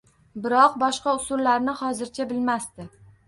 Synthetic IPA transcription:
bɪɾɒqbɒʃqɑʊsʊlːaɾnɪhɒzɪɾt͡ʃʰabɪlmast̪ɪ

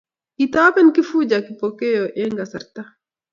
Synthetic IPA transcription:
kit̪aːpɛnkifud͡ʒakipɔkɛjɔʔɛŋɡasɐɾt̪a

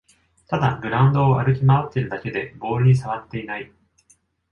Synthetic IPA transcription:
t̪ad̪aɡɯ̟ɾãɯ̟̃nd̪o̞ːaɾɯ̟k̬ʲimaβat̪ːeɾɯ̟d̪ake̞d̪e̞bo̞ːɾɯ̟ɲ̟is̬aβat̪ːe̞inai

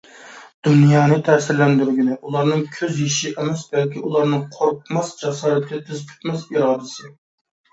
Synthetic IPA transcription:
d̪̥unjɑːnɨt̪ʰɛːsɪɾlɛnd̪yɾɡʲinɪʔulˠɑɾnɨŋkʲʰøzjiʃɪʔemɛsbɛlkʲiulˠɑɾnɨŋqʰoɾp̚mɑsd͡ʒɑsɑːɾɨt̪ʰʲɛt̪ʰyzpʲʰy̥t̪mɛsiɾɑːd̪ɪsɨ

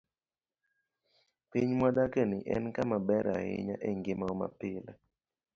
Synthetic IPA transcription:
piɲmɔdakenɪʔɛ̰nkamabɛɾa̰ɣɪ̰ɲa̰ʔeŋɡɪmaɔma̰pɪla

